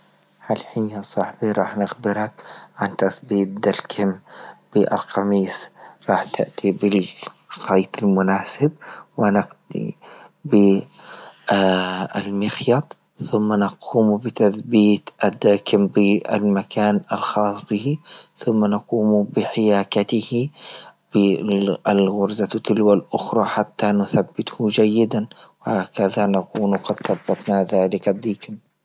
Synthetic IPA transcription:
halħiːnjasˤɑħbiɾˤɑːħnɪxbɪɾakʕant̪asbiːt̪̚d̪alkʰɪmb̥ɪʔa̰lqɑmiːsɾˤɑːħt̪ɪ̰ʔt̪ibɪlxɑːt̪ɪlmʊnaːsɪb̚wɪnɪqd̪ḭbɪ | a̰lmɪxjɑt̪ˤ | θʊmːanɪquːmbɪt̪aθbiːt̪ʔad̪ːaːkɪmbɪa̰lmakʰaːna̰lxɑːsˤbɪhiθʊmːanɑquːmbɪħɪjaːkat̪ɪhib̥ɪalɣʊɾzat̪ɪlwalʔʊxɾˤɑħat̪ːanʊθabːɪt̪hd͡ʒajːɪd̪anwɪhaːkaðanaquːnwqɑd̪θabːat̪naðaːlɪkad̪ːiːkɪm

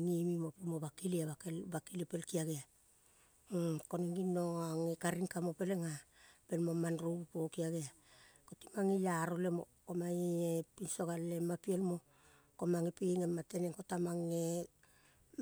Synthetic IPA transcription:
ŋimimopimoβakiliaβakebakiliepelkiaɡea | koneŋinoaŋekaɾiŋkamope̞leŋape̞lmomanɾupokiaɡea | koti̥maŋejaɾole̞mo̰komaiepinso̞ɡalemapielmo̞ | komaŋepiŋemate̞neŋkotamaŋe

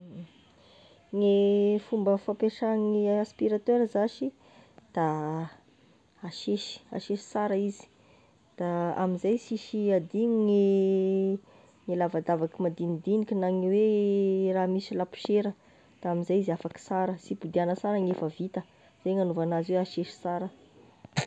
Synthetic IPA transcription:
ŋefumbəfapeʂaŋiaspiɾat̪øɾzaʃi | d̪̥a | aʃeʃi̥a̰ʃeʃi̥saɾəizi̥ | d̪̥aa̰minzajsiʃiad̪iŋiŋe | ŋilavad̪avakimad̪inid̪inikʲinaŋiweraɦmisilapu̥ʃeɾə | d̪̥aamizajizafaki̥saɾəsipud̪ianəsaɾəŋefəvit̪ə | z̥eŋanuvanaziweaʃeʃi̥saɾə

